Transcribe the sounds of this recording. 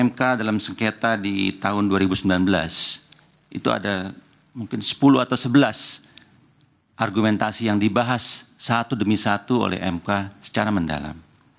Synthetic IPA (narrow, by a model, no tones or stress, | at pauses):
ɛmkadalamsəŋket̪adit̪aɦʊnduaɾibusəmbilanbəla̰s | ʔḭt̪ua̰da | muŋkɪnsə̥puluat̪awsəbəlas | ʔarɡumɛnt̪asijaŋdibaɦasːat̪udəmisat̪uo̰lɛ̰ɦɛ̰mkasə̥t͡ʃaɾamənda̰la̰m